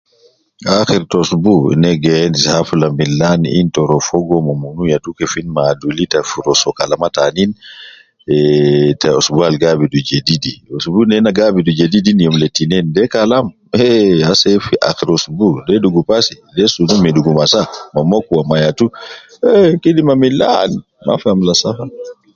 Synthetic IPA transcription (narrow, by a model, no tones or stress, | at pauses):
axiɾtɔsbṵnɛɡɛɛndishafulambilːanḭʔintɔɾɔfɔɡɔmɔmunujatukɛfinmadulitafuɾɔsɔkalamatanin | ɛtaɔsbualɡabidud͡ʒedidiosbunɛnaɡabidud͡ʒedidinijɔmletːinɛndɛkalam | ɛhasɛfiʔa̰xiɾosbudɛduɡupasi | lɛsunumiduɡumasamamokːuwamajatu | ɛkidimamila̰ni | ma̰famlasafa